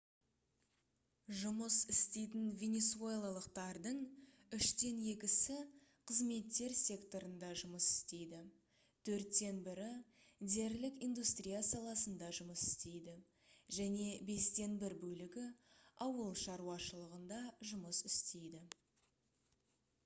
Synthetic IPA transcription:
ʒʊməsɪst̪e̞jt̪ɪnvʲe̞ne̞sue̞lˠalˠəqt̪ɑɾd̪əɴ | ʏʃt̪e̞nje̞kʲɪsɪ | qʰəzme̞t̪ːe̞ɾsʲe̞kt̪o̞ɾənd̪ɑʒʊməsɪ̥st̪e̞jd̪ɪ | t̪ʰɵɾt̪ːe̞nbɪɾɪ | d̪e̞ɾlɪkijnd̪ust̪rʲijasɑlˠɑsənd̪ɑʒʊməsɪ̥st̪e̞jd̪ɪ | ʒæne̞be̞st̪e̞nbɪɾbɵlɪɡʲɪɑwəlˠʃɑɾuɑʃəlˠəʁənd̪ɑʒʊməsɪst̪e̞jd̪ɪ

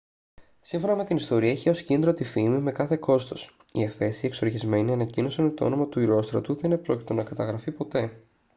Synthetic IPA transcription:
siɱfo̞nɐme̞t̪inist̪o̞ɾiɐiçeo̞scind̪ɾo̞t̪ifimime̞kɐθe̞ko̞st̪o̞s | iefe̞sie̞kso̞ɾçizme̞niɐnɐcino̞sɐnmet̪oo̞̰no̞mɐt̪uiɾo̞st̪ɾɐt̪uðeinepɾo̞ci̥t̪o̞nɐkɐt̪ɐɣɾɐfipo̞t̪e̞

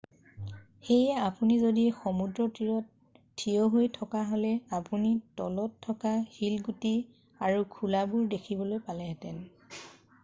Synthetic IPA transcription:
xejɛapunizodixomudɹɔtiɹɔtʰː | ijoɦojtʰɔkaɦolɛapunitɔlɔtʰːɔkahilɡuti | aɹukʰulabuɹdekʰibɔlojpalɛɦɛtɛn

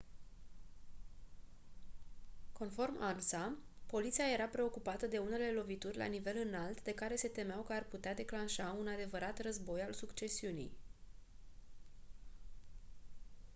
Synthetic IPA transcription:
ko̞nfo̞rmalsapo̞lit̪siaje̞ɾapɾe̞o̞kupat̪əd̪e̞une̞le̞lo̞vit̪urʲla̰nive̞lɨnalt̪d̪e̞kaɾe̞se̞t̪e̞meawkəarput̪ead̪e̞klanʃaunad̪e̞vəɾat̪rəzbo̞jalsukt͡ʃe̞siunḭj

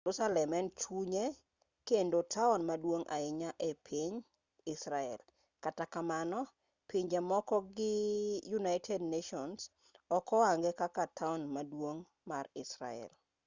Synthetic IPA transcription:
rʊsalɛmɛnt͡ʃuɲe | kendotʰaʊnmadwoŋʔa̰ɪɲaʔepʰiɲ | ɪsɾaɛ̰l | katakamanɔ | piɲd͡ʒɛmɔkɔɡɪjunajtʰɛdneʃɔns | ɔkɔaŋɡɛkakatʰaʊnmadwoŋ | marɪsɾa̰ɛ̰l

